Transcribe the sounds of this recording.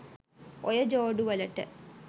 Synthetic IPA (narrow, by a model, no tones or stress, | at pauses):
ojɐd͡ʑoːɖuʋɐlɐʈːɐ̰